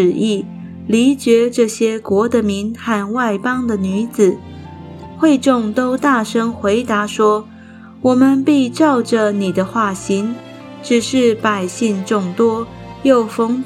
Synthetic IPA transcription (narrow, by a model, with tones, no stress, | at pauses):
ɻ̩˨˩i˥˩ | li˧˥t͡ɕjɛ˧˥ʈ͡ʂɤ˥˩ɕjɛ˥kwɔ˧˥d̪ə˨mi˧˥nxa˥˧nwa˥˩ɪpɑ˥ŋd̪ə˨ny˧˥d͡zɹ̩˨˩ | xwe˥˧ɪʈ͡ʂʊ˥˩ŋt̪o˥ʊt̪a˥˩ʂə˥ŋxwe˧˥ɪt̪a˧˥ʂwɔ˥ | wɔ˨˩mə˧npi˥˧ʈ͡ʂɑ˥˩ʊʈ͡ʂə˨ni˨˩d̪ə˦xwa˥˩ɕi˧˥ŋ | ʈ͡ʂɻ̩˨˩ʂɻ̩˥˩pa˨˩ɪɕi˥˧ŋʈ͡ʂʊ˥˩ŋt̪wɔ˥ | jo˥˨˩ʊfɤ˧˥ŋ